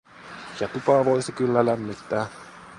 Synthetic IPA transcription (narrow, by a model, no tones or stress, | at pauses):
jɑt̪upɑʋojsikylːælæmːit̪ːæː